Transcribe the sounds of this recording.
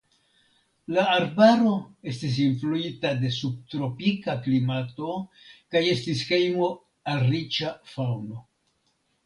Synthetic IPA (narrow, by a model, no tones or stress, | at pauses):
laːɾbaɾo̞e̞stis̬influitade̞sub̚tɾo̞pikaklimato̞ | kaje̞stisxe̞jmo̞ | alɾit͡ʃafawno̞